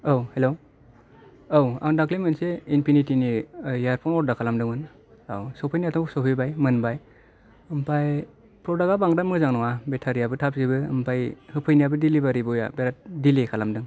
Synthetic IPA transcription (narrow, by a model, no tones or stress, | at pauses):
awhelow | owa̰ndaklimɯnseinpʰinitinijaɾpʰɔŋɔɾdakʰalamdɯŋɯn | a̰wsɔpʰɯjniatʰɔŋsɔpʰijbajmɯnbaj | ɯmpʰaj | pɾɔdaɡabaŋɾamɯzaŋnɔwabetʰaɾijabɯtʰap̚zibɯɯ̰mpʰajhɯpʰɯjnijabɯdilibaɾiboja̰beɾat̚dilikʰalamdɯŋ